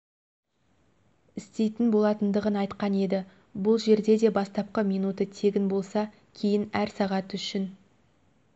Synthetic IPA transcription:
ɪst̪e̞jt̪ɪnbo̞lˠɑt̪ənd̪əʁənɑjt̪qɑne̞d̪ɪ | bʊlˠʒe̞ɾd̪e̞d̪e̞bɑst̪ɑp̚qəmijnut̪ət̪ʰe̞ɡʲɪnbo̞lˠsɑ | kʲʰe̞jɪnæɾsɑʁɑt̪ʏʃɪn

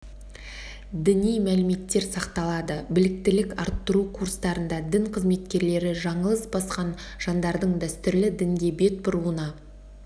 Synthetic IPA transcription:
d̪ɪnijmælɪme̞t̪ːe̞ɾsɑqt̪ɑlˠɑd̪əbɪlɪk̚t̪ɪlɪkɑɾt̪ːəɾukʰurst̪ɑɾənd̪ɑd̪ɪŋqʰəzme̞t̪kʲe̞ɾle̞ɾɪʒɑɴəlˠəsbɑsqɑn | ʒ̥ɑnd̪ɑɾd̪əɴd̪æst̪ʏɾlɪd̪ɪŋdɡ̪ʲe̞be̞t̪̚bʊɾuənɑ

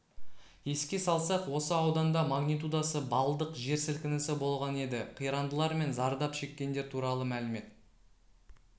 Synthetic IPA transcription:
je̞skʲe̞sɑlˠsɑqwo̞səɑwd̪ɑnd̪ɑmaɡnijt̪ud̪asəbɑlˠəd̪əqʒe̞ɾsɪlkʲɪnɪsɪbo̞lˠʁɑne̞d̪ɪqʰijɾɑnd̪əlˠɑɾme̞nzɑɾd̪ɑpʃe̞kʲːe̞nd̪e̞ɾt̪ʰuɾɑlˠəmælɪme̞t̪

